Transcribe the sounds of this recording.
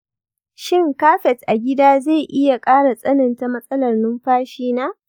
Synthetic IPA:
ʃɪ˦ŋkaː˦ɸɛ˨tʔa˨ɡʲɪ˦daː˦ze˦˨jʔɪ˦ja˨kʼaː˦ɽa˨sʼɐ˦nɪ˨nta˨mɐ˦sʼɐ˦lɐ˨rnʊ˦mɸaː˦ʃiː˦naː˦ʔ

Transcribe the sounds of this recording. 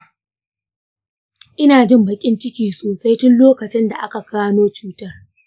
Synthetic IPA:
ʔɪ˦naː˨d͡ʒɪ˦mbɐ˨kʲʼɪ˦nt͡ʃɪ˦kʲiː˨soː˨sa˦jtʊ˦nloː˦kɐ˨t͡ʃɪ˦nda˨ʔa˦ka˨kaː˦noː˦t͡ʃuː˦tɐ˦r

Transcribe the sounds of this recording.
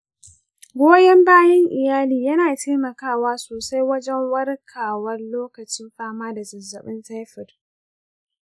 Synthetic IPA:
ɡʷoː˦jɐ˦mbaː˦jɛ˦ŋʔɪ˨jaː˦liː˨jɐ˦naː˨teː˦mɐ˨kaː˦˨waː˦soː˨sa˦jwɐ˦d͡ʒɛ˦ŋwɐ˦rkʰaː˨wɐ˦rloː˦kɐ˨t͡ʃɪ˦mɸaː˦maː˦da˨zɐ˨zːɐ˨ɓɪ˦nta˦jɸɪ˨d

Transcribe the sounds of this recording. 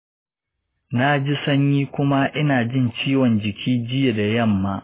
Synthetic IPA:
na˦d͡ʒi˦sɐ˦ɲjiː˦kʷʊ˦ma˦ʔɪ˦naː˨d͡ʒɪ˦˨nt͡ʃiː˦wɔ˨nd͡ʒɪ˨kʲʰiː˦d͡ʒɪ˦ja˨da˨jɐ˦˨mːaː˦

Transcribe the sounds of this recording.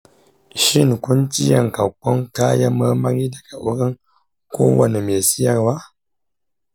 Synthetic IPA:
ʃi˦˨ŋkʊ˦nt͡ʃi˦jɐ˨ŋka˨kːɔ˦ŋka˦ja˦ma˦ma˦ɾi˦da˨ka˨ʔʊ˦ɾɪ˦ŋ | kʷo̰ː˦wɐ˨ne˨meː˨si˦ja˨ɾwa˦

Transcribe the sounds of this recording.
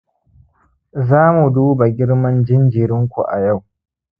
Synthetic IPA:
zaː˦mu˨duː˦ba˨ɡʲɪ˦ɽmɐ˦nd͡ʒɪ˦nd͡ʒi˨ɾɪ˦ŋkʷu˨ʔa̰˨ja˦˨w

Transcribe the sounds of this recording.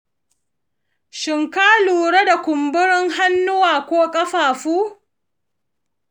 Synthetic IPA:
ʃɪ˨ŋkaː˦luː˨ɾe˦da˨kʷʊ˨mbʊ˦ɽɪ˦ŋɦa˦nːʊ˦waː˨kʷoː˦kʼɐ˦ɸaː˨ɸuː˦

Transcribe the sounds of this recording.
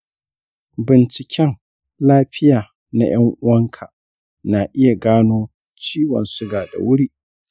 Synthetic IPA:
bɪ˨nt͡ʃɪ˨kʲʰɛ˦ŋ | laː˦ɸɪ˦jaː˨ | na˦j̰ɐ˦ŋʔʊ˦wɐ˦ŋkʰa˨ | na˨ʔɪ˦ja˨ɡaː˦noː˦ | t͡ʃiː˦wɐ̰˨nsʊ˦ɡaː˨da̰˨wʊ˦ɽiː˦

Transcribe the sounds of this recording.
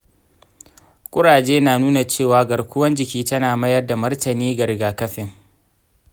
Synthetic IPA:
kʷʼʊ˦ɽaː˨d͡ʒeː˦naː˨nuː˦na˨t͡ʃeː˦˨waː˦ɡɐ˨ɽkʷʊ˦wɐ˦nd͡ʒɪ˨kʲiː˦tɐ˦naː˨mɐ˦jɐ˦rda˨mɐ˦rtɐ˨niː˦ɡɐ˨ɾɪ˨ɡaː˨kɐ˦ɸɪ˦ŋ

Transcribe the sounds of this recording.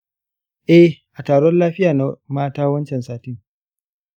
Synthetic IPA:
ʔɛ˦ʔa˨taː˨ɽɔ˦nlaː˦ɸɪ˦jaː˨na˦maː˦taː˦wɐ˦nt͡ʃɛ˨nsaː˦tɪ˦ŋ

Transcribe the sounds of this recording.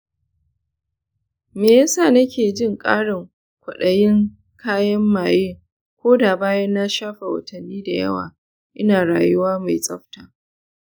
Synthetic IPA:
meː˨ja˦saː˦˨nɐ˦kʲeː˨d͡ʒɪ˦˨ŋkʼa̰ː˦ɽɪ˨ŋ | kʷʊ˨ɗɐ˨jɪ˦ŋ | kʰaː˦jɐ˦mːaː˨jeː˦ | kʷoː˦da˨baː˦jɐ˦nːa˦ʃaː˦ɸa˨wɐ̰˨tɐ˨nːiː˦da˨jɐ̰˦wa̰ː˨ | ʔɪ˦naː˨ɽaː˨jʊ˦waː˦ma˨jsʼɐ˦ɸtaː˨

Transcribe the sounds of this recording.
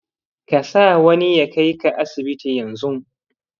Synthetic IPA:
ka˨saː˦wɐ˦ni˦ja˨ka˦jka˨ʔa˦sɪ˨bɪ˦ti˨jɐ˨nzʊ˦ŋ

